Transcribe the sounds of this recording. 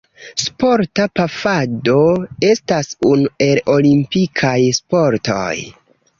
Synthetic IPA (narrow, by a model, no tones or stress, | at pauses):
spo̞ɾtapafado̞e̞stasunue̞lo̞limpikʰajspo̞ɾto̰j